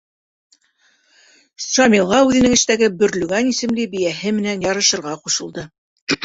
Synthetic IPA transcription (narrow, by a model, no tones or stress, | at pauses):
ʃɑmʲilˠːɑʉðɘ̆nɘŋɘ̆ʃt̪æɡɘbɵ̆ɾlʉɡænisɘ̆mlɘbĭjæɦɘmɘ̆nænjɑɾɤ̆ʃɤ̆ɾʁɑquʃɤ̆lˠd̪ɤ